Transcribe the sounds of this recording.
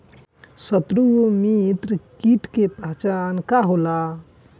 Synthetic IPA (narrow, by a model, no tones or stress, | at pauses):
sət̪ɾumit̪ɾkiʈkepəɦt͡ʃankaɦola